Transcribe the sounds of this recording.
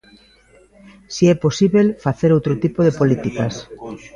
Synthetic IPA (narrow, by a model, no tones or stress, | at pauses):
siɛposiβelfaθeɾowt̪ɾot̪ipoðepolit̪ikas